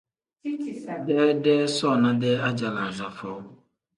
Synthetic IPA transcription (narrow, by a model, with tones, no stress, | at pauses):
dɛː˦dɛː˦sɔ˦˨nã˦dɛː˦a˦d͡ʒa˨la˨za˨fɔ˨˦